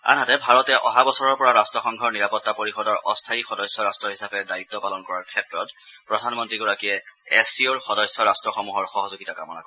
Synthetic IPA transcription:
a̰nɦatɛbʱaɹɔtɛʔɔɦabɔsɔɹɔɹpɔɹaɹastɹɔxɔŋɡʱɔɹniɹapɔtːapoɹixɔdɔɹɔstʰaixɔdɔsːjɔɹastɹɔɹɦisapɛdait̪ːɔpalɔnkɔɹaɹkʰɛtɹɔt | pɹɔdʱanmɔntɹiɡɔɹakiɛɛsioɹxɔdɔsːjɔɹastɹɔxɔmuɦɔɹxɔɦɔzoɡitakamɔna̰kɔ

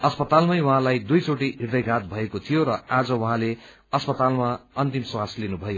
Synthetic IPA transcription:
ʌspʌt̪almʌjwʌɦãlajd̪ujt͡soʈ̬iɦird̪ʌjɡʱat̪̚bʱʌekot̪ʰijoɾʌad͡zʌwʌɦãle | ʌspʌt̪almaʌnt̪imswaslinubʱʌjo

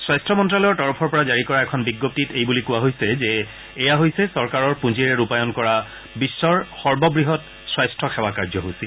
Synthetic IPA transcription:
swajstʰɔmɔntɹalɔjɔɹtɔɹɔpʰɔɹpɔɹazaɹikɔɹaɛkʰɔnbiɡːop̚titejbulikʊwaɦojsɛzɛː | jaɦojsɛsɔɹkaɹɔɹpũd͡ʑiɹɛɹupajɔnkɔɹa | bisːɔɹxɔɹbɔbɹiɦɔt | swajstʰɹɔxɛwakaɹzɔɦojsi

